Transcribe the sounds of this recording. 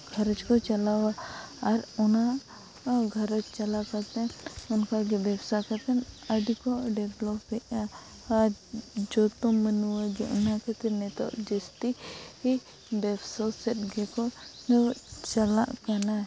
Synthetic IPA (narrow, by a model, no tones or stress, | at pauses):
ɡʱəɾət͡ʃkɔt͡ʃalawaːɾɔna | ɡʱəɾət͡ʃt͡ʃalakat̪ɛ̃ɔnkaɡɛbɛbsakat̪ɛnəɖikɔɖɛblɔpːɛʔaː | d͡ʒɔt̪ɔmənuwaɡɛʔunakat̪ɛnɛt̪ɔ̰ʔd͡ʒist̪ii | bɛbsɔsɛt̪̚ɡɛkɔ | t͡ʃala̰ʔkana